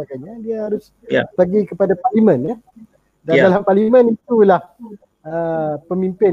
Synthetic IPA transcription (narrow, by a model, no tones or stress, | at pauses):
akaɲadiahaɾʊs | pəɡikəpadaparlimə̃na | dadalamparlimə̃nit̪ulah | əpəmimpɪ